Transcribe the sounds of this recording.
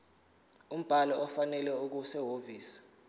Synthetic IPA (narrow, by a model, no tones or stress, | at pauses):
um̩b̥ʱalɔʔɔfanɛlɛuk̬usɛɦoviːsḁ